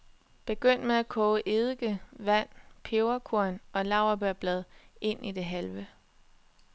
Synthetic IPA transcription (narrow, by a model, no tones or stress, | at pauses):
b̥e̝ɡ̥øn̰d̥meækʰɔːʊəʔe̝ðˠɡ̥əʋæn̰pʰeʊɐkʰuɐ̰nɒ̽lɑ̈ʊ̰ɐb̥æɐb̥lɛð̞ˠe̝n̰id̥e̝ɦælʋə